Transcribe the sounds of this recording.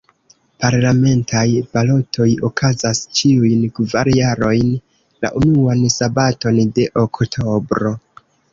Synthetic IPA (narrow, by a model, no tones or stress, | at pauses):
paɾlame̞ntʰajpalo̞tʰo̞jokʰazast͡ʃiujnkvaɾjaɾo̞jn | la̰ʔunuansabato̞nde̞ʔoktʰo̞bɾo̞